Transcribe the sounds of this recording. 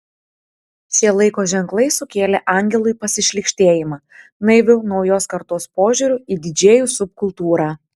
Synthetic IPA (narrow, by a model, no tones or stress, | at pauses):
sʲiɛlˠɐɪkoːʒʲɛŋklˠɐɪsʊkʲeːlʲɛʔɑˑŋʲɡʲɛlˠʊɪpɐsʲɪʃʲlʲɪkʃʲt̪ʲeːjɪmɑ | nɐɪʋʲʊnɒʊjoːskɐɾt̪oːspoːʒʲʊːɾʲʊiːd̪ʲɪd͡ʒʲeːjuːsʊp̚kʊlˠt̪uːɾɑː